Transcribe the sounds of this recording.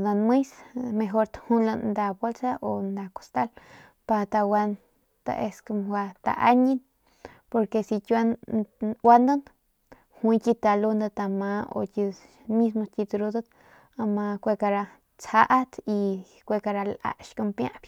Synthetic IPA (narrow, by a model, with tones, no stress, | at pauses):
d̪a˧nmɨ˦jsme˧ɦo˧ɾt̪hu˦nla˧nd̪a˧bo˦lsa˦ʔo˧nd̪a˧˨ko̥˨st̪a˦l | pa˧t̪a˧wa˧n | t̪a̰˧ʔe˧sko˧mwa˧t̪a̰˧ʔa̰˦ɲi˦n | po˧ɾke˧si˧tʲa˦n | wa˦nd̪a˦n | hwʷĩ˧tʲi˧t̪a˨lu˧nd̪a˧t̪a˧ma˧o̰˧tʲi˧ | mi˦s̬mo˧t̪ʲi˧t̪ɾu˧d̪a˦t̪ | a˧ma˧kʷe˧ka˧ɾa˧ | t͡sha˦ʔa˦t̪i˧ | kʷe˧ka˧ɾa˧la̰˧ʃko˧mpjã̰˦˧b